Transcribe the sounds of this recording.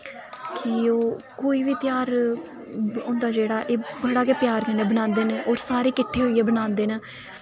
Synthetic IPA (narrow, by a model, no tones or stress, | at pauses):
kʰioː | koːiːʋiːt̪ɪjaːɾ | õːnd̪aːd͡ʒeːɽaːʔeːbəɽaːkeːpɪjaːɾkɪnːeːbənãːnd̪eːneːʔoːɾsaːɾeːkɪʈʰːeːɦoːiːeːbənãːnd̪eːneː